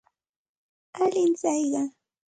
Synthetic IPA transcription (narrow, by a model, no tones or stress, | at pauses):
alɪnt͡sajɢɑ